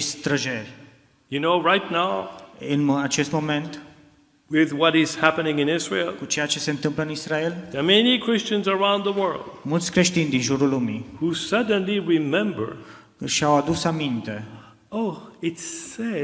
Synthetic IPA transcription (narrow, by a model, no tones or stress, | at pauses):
ist̪ɾəʒelʲ | jɨnoʊɹaɪtⁿnaʊɨnat͡ʃe̞st̪mo̞me̞nt̪ | wɪðwʌɾɪz̥hæpɨnɪ̃ŋɨ̃nɪzɹḭlˠkut͡ʃe̞jat͡ʃe̞se̞ɨnt̪ɨmpləɨnisɾaelðəmɛnikʰɹ̥ɪst͡ʃɨ̃nzə˞ãʊ̃nðəwɜ˞lˠd̥̚mult̪sʲkɾe̞ʃt̪inʲd̪inʒuɾulːumihusʌdⁿn̩liɹimɛ̃mbə̰˞ | ʃawad̪usamint̪e̞ | oʊɪtsɛ